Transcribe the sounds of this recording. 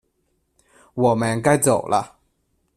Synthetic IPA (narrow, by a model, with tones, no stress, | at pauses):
wɔ˨˩mə˨˦nka˥jt͡so˨˩ʊlʔə̰˦˨